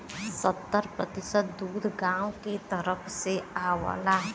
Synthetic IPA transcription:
sət̪ːəɾpɾət̪ɪsət̪̚d̪uːd̪ʱɡãːwket̪əɾəpʰseaːwa̰la

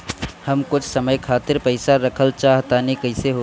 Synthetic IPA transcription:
hɐmkʊt͡ʃʰsɐməjkʰaːt̪ɪɾpəɪsaɾɐkʰəlt͡ʃaːɦt̪anikɐɪseɦoː

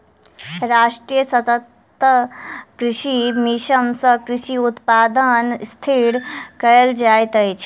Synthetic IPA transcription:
ɾaːʂʈɾiːjəsɐt̪ət̪ː | əkɾɪʃimiʃɐmsɐkɾɪʃiut̪paːd̪ənst̪ʰiɽkɐjəld͡ʒaːjt̪əjt͡ʃʰ

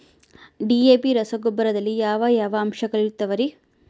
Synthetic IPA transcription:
ɖieːpiɾɐsɐɡobːɐɾɐd̪ɐlːijaːʋɐjaːʋɐːmʃɐɡɐɭiɾut̪ːɐʋɐɾi

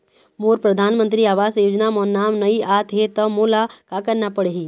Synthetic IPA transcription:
moːɾpɾəd̪ʱaːnmə̃nt̪ɾiaːʋaːsjoːd͡ʒnamɔːɾnaːmnəiʔaːt̪ɦet̪ɐmoːlakakɐɾnapəɽeɦi

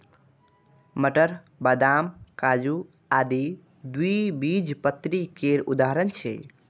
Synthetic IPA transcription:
məʈəɾ | bəd̪amkad͡ʒu | ad̪i | d̪uibid͡ʒpət̪ɾikeɾud̪aɦɾənt͡ʃʰɛ̰

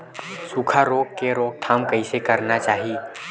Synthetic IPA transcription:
sukʰaɾoːkkeɾoːk̚t̪ʰaːmkɐisekɐɾnat͡ʃaːɦi

